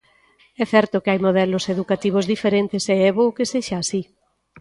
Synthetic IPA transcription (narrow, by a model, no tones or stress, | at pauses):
ɛθɛɾt̪ʊkeajmoð̞ɛloseðukat̪iβ̞ozðifeɾent̪eseɛβoːkeseʃaːsi